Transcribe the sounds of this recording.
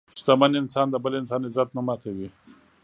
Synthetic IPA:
t͡ʃu̥t̪amanɪnsɑːnd̪əbəleɪnsaːnezat̪nɐmaːt̪ʰewi

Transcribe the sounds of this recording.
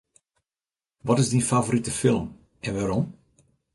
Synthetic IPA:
ʋɔtɪzdinfavoɾitəfɪlˠəm | ʔɛnʋaɾɔm

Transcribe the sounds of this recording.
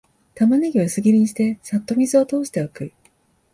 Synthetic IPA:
t̪amaneɡʲiβasɨɡʲiɾʲiɲ̟iɕi̥t̪e̞sat̪ːo̞mʲizɨo̞t̪o̞ːɕi̥t̪e̞akɯ̟i

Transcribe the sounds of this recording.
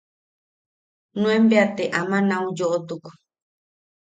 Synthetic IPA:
nũẽmbeat̪eʔamãnãũd͡ʒoʔot̪uku̥

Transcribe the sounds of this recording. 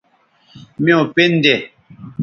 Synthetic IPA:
mĩõpen̩dɛ

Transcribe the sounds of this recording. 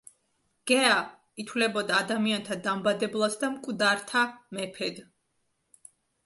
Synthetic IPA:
ɡ̥ɛa | it̪ʰwlɛbɔd̪aːd̪amiant̪ʰad̪ambad̪ɛblˠasd̪amkʼvd̪aɾt̪ʰamɛpʰɛd̪

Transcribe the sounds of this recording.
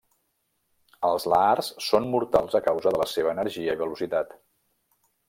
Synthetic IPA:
əlˠzlaarssonmuɾt̪alˠzəkawzəðələseβəːnəɾʒiəiβəlusit̪at̪

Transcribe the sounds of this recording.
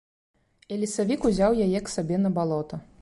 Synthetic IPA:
ɛlʲisavʲikuzʲawjajɛksabʲɛnɐbalˠɔt̪ɐ

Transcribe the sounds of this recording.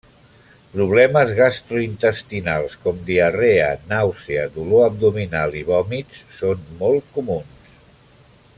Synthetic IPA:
pɾuβ̞lɛməzɣast̪ɾuint̪əst̪inalˠskɔmd̪iəreənawsiəðuloəb̚d̪uminalˠiβɔmit͡sːonmɔlˠkumuns

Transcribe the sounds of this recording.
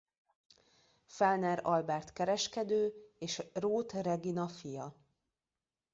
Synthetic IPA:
fɛlnɛɾɒlbɛrt̪kɛɾɛʃkɛd̪øːeːʃroːt̪rɛɡinɒfijɒ

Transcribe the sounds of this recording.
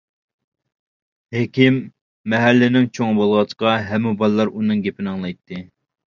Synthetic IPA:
hekʲimː | ɛɦɛlːɪnɪŋt͡ʃʰoŋbolˠʁɑt͡ʃʰqɑɦɛmːubɑlˠɨlːˠɑɾunɨŋɡʲepʰɪnɨŋlˠɑjt̪ʰːɨ

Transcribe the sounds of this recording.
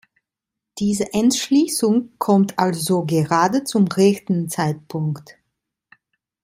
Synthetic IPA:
d̥iːzəʔɛntʃliːsʊŋkʰɔmtʰʔalzoɡəʁaːdət͡sʊmʁɛçtn̩t͡saɪt̚pʰʊŋkt

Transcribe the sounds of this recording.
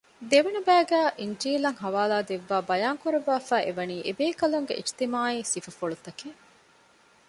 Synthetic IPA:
d̪eʋenubæːɡæːʔiɲd͡ʒiːlɐŋɦɐʋaːlaːd̪eʋːaːbɐjaːŋkuɾeʋːaːfæːʔeʋɐniːʔebeːkɐluŋɡḛʔiʃt̪imaːiːsifɐfoɭut̪ɐke

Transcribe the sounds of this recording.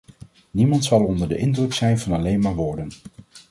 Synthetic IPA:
nimɑntsɑlˠɔndəɹdə̰ʔɪndrɵksɛjnvɑnɑlejnmaːɹʋɔːɹdən

